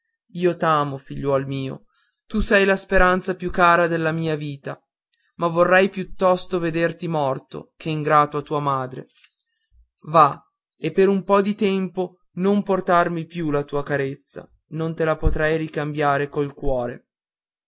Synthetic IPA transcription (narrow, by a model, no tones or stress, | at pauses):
iːot̪aːmofiʎːwɔlmiːo̰ | t̪usɛjlaspeɾant̪sapjukːaːɾad̪elːamiːaviːt̪a | mavːorːajpjut̪ːɔst̪oved̪ert̪imɔrt̪o̰kʰeiŋɡɾaːt̪oat̪uːamaːd̪ɾḛ | va | epːeɾumpɔd̪it̪ɛmpo | nomport̪armipjulat̪uːakaɾet̪sːa̰ | nont̪elapot̪ɾajɾikambjaːɾekoilkwɔːɾe